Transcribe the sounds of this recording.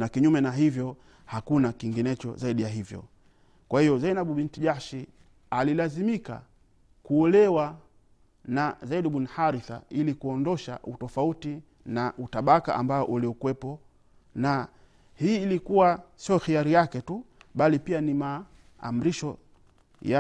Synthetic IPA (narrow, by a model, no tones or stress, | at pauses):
nakiɲumɛnaɦivjɔ | hakunakiŋɡinɛt͡ʃɔ̰zaiɗijaɦivjɔ̰ | kwahijɔzainaɓuɓintiʄaʃi | alilazimika̰ | kuɔlɛwa | nazaiɗiɓunhaɾiθa̰ilikuɔndɔʃa̰ʔutɔfauti | naʔutaɓaka̰ʔa̰mbaɔʔuliukwɛpɔ | na | hiːlikuwasiɔxiaɾijakɛtuɓalipianima̰ː | m̩ɾiʃɔ | ja